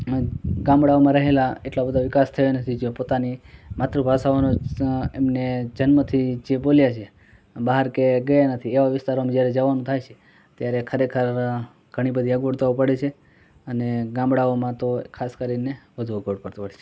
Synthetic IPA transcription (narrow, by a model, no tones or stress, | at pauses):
ɡãmbɽaomãɾəɦelaeʈlabəd̪ʱaʋɪkast̪ʰəjonət̪ʰid͡ʒepot̪animat̪ɾubʱasaʋanoemned͡ʒənmət̪ʰid͡ʒeboljat͡ʃʰe | baɦəɾkeɡəjanət̪ʰieʋaʋɪst̪aɾomd͡ʒjaɾed͡ʒəʋanũt̪ʰajt͡ʃʰe̥ | t̪jaɾekʰəɾekʰəɾ | ɡ̥ʱəɽ̃ibəd̪ʱiəɡʋəɽt̪aʋupəɽet͡ʃʰe | əneɡãmbɽaomãt̪okʰaskəɾineʋəd̪ʱuəɡʋoɽpəɾt̪upəɽet͡ʃʰe